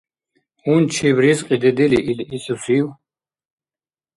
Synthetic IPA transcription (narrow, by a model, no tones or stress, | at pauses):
unt͡ʃʰibɾisqʼid̪ɛd̪iliʔilisusiw